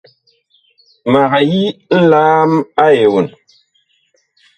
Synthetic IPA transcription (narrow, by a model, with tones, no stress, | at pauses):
ma˨ɣa˨ji˦n̩˦laː˦ma˦je˨wu˨n